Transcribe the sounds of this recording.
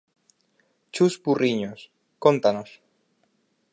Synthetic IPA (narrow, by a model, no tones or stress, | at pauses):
t͡ʃuspurʔiɲos | kont̪anos